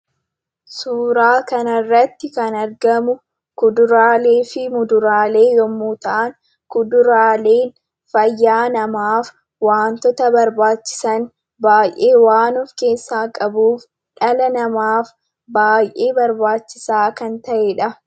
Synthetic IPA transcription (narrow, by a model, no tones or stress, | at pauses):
suːɾaːkɐnɐrːɐt̪ːɪkɐnɐɾɡɐmʊ | kʊd̪ʊɾaːleːfɪmʊd̪ʊɾaːle̞ːjɔmːuːt̪ɐʔan | kʊd̪ʊɾaːle̞ːn | fɐjːaːnɐmaːf | waːnt̪ɔt̪ɐbɐɾbaːt͡ʃːɪ̥sɐn | baːjʔeːwaːnʊfke̞ːsːaːkʼɐbuːf | ᶑɐlɐnɐmaːf | baːjʔeːbɐɾbaːt͡ʃːɪ̥saːkɐnt̪ɐʔeᶑɐ